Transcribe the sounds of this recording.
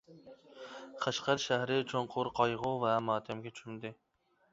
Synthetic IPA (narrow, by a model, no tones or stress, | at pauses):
qʰɑʃqɑɾʃæhɾɪt͡ʃʰoɴqʰʊɾqʰɑjʁʊvɛmɑːt̪ʲʰɛmɡʲɛt͡ʃʰy̥ʃymd̪ɪ